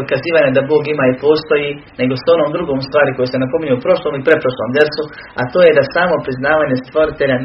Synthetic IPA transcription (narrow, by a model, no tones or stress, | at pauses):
kaziːʋaːɲad̪abo̞ːɡimaːipo̞ːst̪o̞jiː | ne̞ɡo̞so̞no̞ːmd̪ɾuɡoːmst̪ʋaːɾiko̞jese̞napo̞miɲeupɾo̞ʃlˠomipɾepɾoʃloːmd̪jeɾsu | at̪oːje̞d̪asaːmo̞pɾiznaːʋaːɲest̪ʋo̞ɾit̪e̞ʎan